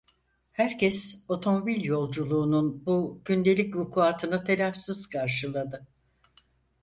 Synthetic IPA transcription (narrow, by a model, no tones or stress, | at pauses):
hæɾcʰɛso̞t̪ʰo̞mo̞bilʲjo̞lˠd͡ʒulˠuːnunbuɟynd̪e̞lʲicvukʰuat̪ʰɯnɯt̪ʰelʲafsiz̥kʰaɾʃɯlˠad̪ɯ